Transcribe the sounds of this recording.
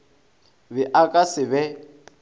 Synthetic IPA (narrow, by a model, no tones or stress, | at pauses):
βɪʔakʼasɪβɛ